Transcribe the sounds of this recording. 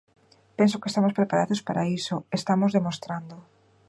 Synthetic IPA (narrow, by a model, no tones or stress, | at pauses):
pẽnsokest̪amospɾepaɾaðospaɾaisoest̪amozðemõst̪ɾand̪o